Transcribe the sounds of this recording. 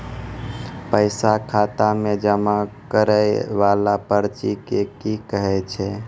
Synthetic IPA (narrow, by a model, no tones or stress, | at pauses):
pəɪsakʰat̪amed͡ʒəmakəɾəjʋalapəɾt͡ʃikekikəɦɛt͡ʃʰɛ